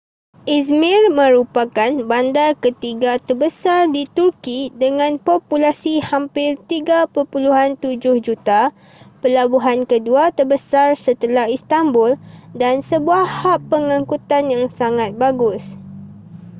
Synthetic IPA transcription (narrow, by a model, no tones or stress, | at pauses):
ʔis̬mirmə̃ɾupakanbandarkət̪iɡat̪ərbəsardit̪urkidəŋãnpopulasihampɪrt̪iɡapəpuluɦant̪ud͡ʒʊhd͡ʒut̪a | pəlabuɦankəduat̪ərbəsarsət̪əlahist̪ambʊldansəbuahapːəŋãŋkut̪anjaŋsaŋat̪̚baɡʊs